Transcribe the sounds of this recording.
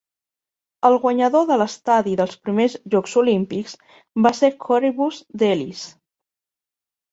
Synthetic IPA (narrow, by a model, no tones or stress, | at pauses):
əlˠɣwəɲəðoðələst̪aðiðəlˠspɾimezʒɔkzulimpikz̥ | basekʰɔɾiβuzd̪elis